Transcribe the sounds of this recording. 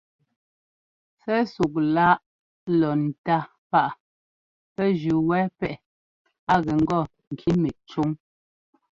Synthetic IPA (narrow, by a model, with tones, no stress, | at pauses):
sɛ˦su˨k̚la˦ʔ | lɔ˨n̩˨ta˦ | pa˦ʔ | pɛ˦d͡ʒʉ˨wɛː˦pɛ˦˨ | a˦ɣɛ˨ŋ̩˦ɡɔ˦˨ | ŋ̩˨kʰi˦mɛ˨t͡ʃu˦ŋ